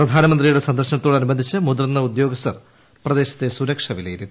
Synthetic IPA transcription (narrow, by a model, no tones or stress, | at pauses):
prɐd̪ʱaːnɐmɐnd̪rijuɽe̞sɐnd̪ɐrɕɐnɐt̪ːoːɽɐnubɐnd̪ʱit͡ɕːɨmud̪ɐrnːɐud̪jo̞ːɡɐsɐr | prɐd̪e̞ːɕɐt̪ːe̞suɾɐkʂɐʋilḛjiɾunː